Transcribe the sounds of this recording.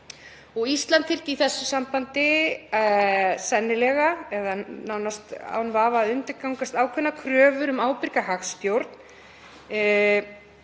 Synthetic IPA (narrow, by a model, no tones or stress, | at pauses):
ɔɣist̪lant̪fɪr̥ciθɛsːʏsampant̪ɪ | sɛnːɪlɛɣaɛðanawnast̪a̰wnvaːvaːðʏnt̪ɪɾkawŋkast̪aːwkʰvʏnːakʰɾœːvʏɾʏmaːwpɪɾkahaxst̪jowɾt̪n